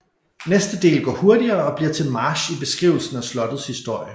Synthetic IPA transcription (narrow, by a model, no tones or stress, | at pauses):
nesd̥əd̥e̝̰ːlɡ̥ɒ̰ːho̝ɐdiɐːɒ̽b̥liɐ̰t͡sʰe̝lmɑ̈ːɕib̥e̝sɡ̥ʁiʊl̩sn̩æslɒ̽d̥ð̩ˠshisd̥o̝ɐ̰jə